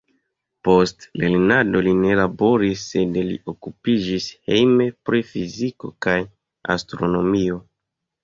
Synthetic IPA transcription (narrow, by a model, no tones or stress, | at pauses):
po̞stle̞lnado̞line̞labo̞ɾisːe̞dlḭʔo̞kupid͡ʒishe̞jme̞pɾifiziko̞̰kaj | a̰stɾo̞nomio̞